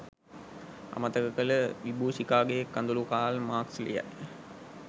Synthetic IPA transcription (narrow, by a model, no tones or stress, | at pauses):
a̰mət̪əkəkələʋibuːsikaːɡejekːand̪ulukaːlmaːkslḭja̰j